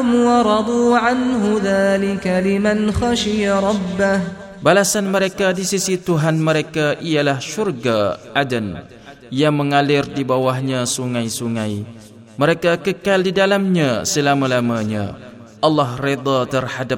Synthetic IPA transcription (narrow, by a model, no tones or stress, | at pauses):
mwɑɾˤɑd̪ˤuːʕanɦʊðaːlɪkalɪmanxɑʃɪjaɾˤɑbːah | balasanməɾekadisisit̪uɦanməɾekaʔialahʃurɡaʔadən | jaŋmə̃ŋalɪrdibawahɲãsuŋãjsuŋãj | məɾekakəkaldidalamɲasəlamãlamaɲã̰ | ʔɑlːɑhred̪ˤɑt̪ərhadap̚